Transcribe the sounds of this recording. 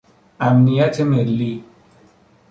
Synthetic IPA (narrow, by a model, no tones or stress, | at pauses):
amnijatʰemelːi